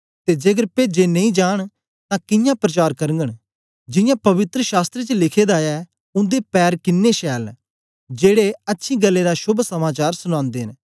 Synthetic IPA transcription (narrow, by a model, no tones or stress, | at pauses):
t̪eːd͡ʒeɡəɾped͡ʒeːnə̃ĩːd͡ʒaːɽ̃ | t̪ãːkɪjãːpɾət͡ʃaːɾkəɾə̃ŋɡəɳ | d͡ʒɪ̃jãːpɐʋɪt̪ɾəʃaːst̪ɾet͡ʃəlɪkʰeːd̪aɛː | ʊ̃nd̪eːpɛːɾkɪnːeːʃɛːl | d͡ʒeːɽeətːʃʰĩːɡəlːeːɾaʃʊbsəmaːt͡ʃaːɾsʊñãːnd̪eːɦɪn